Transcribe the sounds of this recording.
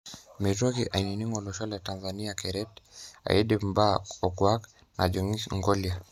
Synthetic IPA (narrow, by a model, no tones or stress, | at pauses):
mitɔkiʔaininiŋɔlɔʃalɛtanzaniakɛɾɛta̰idim̩baɔkwak | nʔa̰d͡ʒɔŋiŋɡɔlia